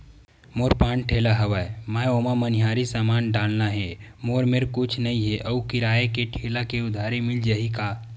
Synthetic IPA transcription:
moːɾpãːɳʈʰeːlaɦəʋaemaːoːmaməniɦaːɾisaːmaːnɖaːlnaɦɛmoːɾmeɾkʊt͡ʃʰnəĩɦɛʔəukɪɾaːekeʈʰeːlakeʊd̪ʱaːɾemɪld͡ʒəɦikaː

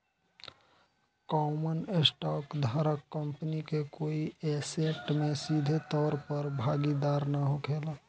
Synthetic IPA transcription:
kɔːmənesʈɔːkd̪ʱaɾəkːəmpənikekoːiɛːseʈmẽsid̪ʱet̪ɔːɾpəɾbʱaːɡid̪aːɾnaɦokʰeːlaː

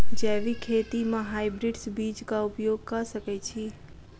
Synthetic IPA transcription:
d͡ʒɛːʋikʰeːt̪imãɦaːɪbɾɪɖsbiːt͡ʃkaʊpjoːɡ̚kɐsəkɛt͡ʃʰiː

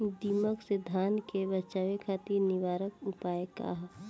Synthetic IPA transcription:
d̪iməksɪd̪ʱaːnkebətːʃaːʋekʰaːt̪iɾnɪʋaːɾəkʊpaːeka̰ɦ

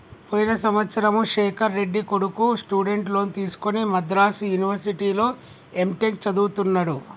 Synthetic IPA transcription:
poːjinɐsɐmʋɐt̪sɐɾɐmuʃeːkʰɐɾːe̞ɖːikoɽukusʈuːɖe̞ɳʈlo̞ːnit̪iːsu̥konimɐd̪ɾaːsujuniʋɐɾsiʈiːlo̞ː | emʈek̚t͡ʃɐd̪uːt̪unːɐɽu

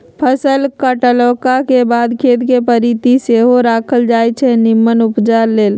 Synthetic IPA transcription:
pʰəsəlkəʈəlokakebad̪kʰet̪kepəɾit̪iseɦoɾakʰəld͡ʒajt͡ʃʰɛnimːənupd͡ʒaɾːeːl

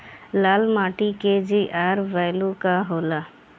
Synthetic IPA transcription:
laːlmaːʈiked͡ʒiʔaːɾʋɛːlukaɦoːla

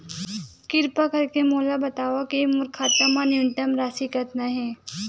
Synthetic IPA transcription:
kɪɾpakɐɾkemoːlabɐt̪aːʋakemʊɾkʰaːt̪amanjunt̪əmɾaːsikɐt̪naɦɛ̃ː

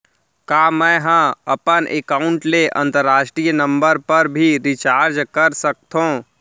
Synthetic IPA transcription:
kaːmɛ̃ːɦãɐpənʔḛkaːʊɳʈleʔɐ̃nt̪əɾːaːʃʈɾiːjnə̃mbəɾpɐɾbʱiɾɪt͡ʃaːɾd͡ʒkəɾsək̚t̪ɦõː

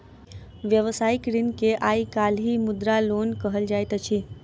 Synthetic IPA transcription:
ʋjəʋsaːɪkɾɪnkeʔaːikaːlɦimʊd̪ɾaloːnkəɦəld͡ʒaːjt̪ət͡ʃʰi

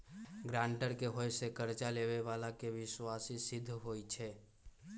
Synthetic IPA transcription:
ɡɾãɳʈəɾkeɦojsekəɾt͡ʃaleβeʋalakeʋiswasisid̪ʱːɦojt͡ʃʰɛ

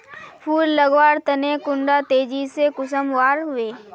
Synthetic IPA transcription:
pʰuːlːəɡwaːɾt̪ɐnekʊ̃ɳɖat̪eːd͡ʒisekʊsəmwaːɾɦʊeː

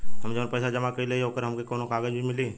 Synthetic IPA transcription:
ɦɐmd͡ʒɐʋnpɛɪsad͡ʒɐmakəileiɦoːkəɾɦɐmkekoːnõkaːɡəd͡ʒbimɪli

